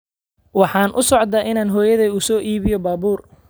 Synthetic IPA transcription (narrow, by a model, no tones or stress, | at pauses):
wɑħɑːnʔʊsɔʕd̪ɐʔɪnaːnɦɔːjɐðɐusɔːʔiːβɪjɔbaːbuːr